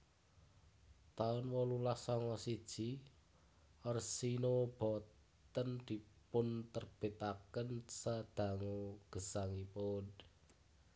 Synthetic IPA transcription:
t̪aʊnwɔlulahsɔŋɔsid̥ʒ̥i | ɔrsinob̥ɔ̤ | t̪ənd̪̥i̤pʊnt̪ərb̥e̤t̪akənsad̪̥a̤ŋoɡ̥ə̤saŋipʊn

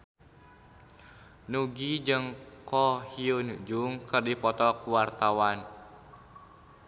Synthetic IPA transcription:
nuɡid͡ʒɨŋkɔhiunud͡ʒuŋkɨrdipɔt̪ɔkuwart̪awan

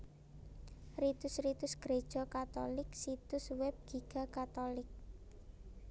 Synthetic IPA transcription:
rit̪ʊsrit̪ʊsɡ̥ɾed̥ʒ̥ɔ̤kat̪ɔlɪksit̪ʊswɛp̚ɡ̥iɡ̥a̤kat̪olɪk̚

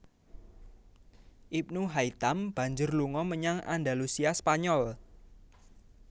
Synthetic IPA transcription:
ʔip̚nuɦait̪amb̥ä̤ɲd͡ʒʊrluŋɔməɲaŋa̰ndalusiaspaɲɔl

